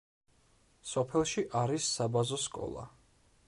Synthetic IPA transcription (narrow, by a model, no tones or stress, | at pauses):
sɔpʰɛlˠʃiʔaɾisːabazɔskʼɔ̰lˠa̰